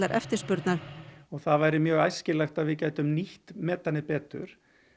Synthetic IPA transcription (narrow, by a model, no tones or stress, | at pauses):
aɾʔɛ̰ft̪ɪ̥spʏɾt̪naɾ̥ɔɣθaðvaːjɾɪmjœːɣajscɪlajxt̪aðvɪðcaːjt̪ʏmniht̪mɛːt̪ːanːɪpɛːt̪ʏ̰ɾ̥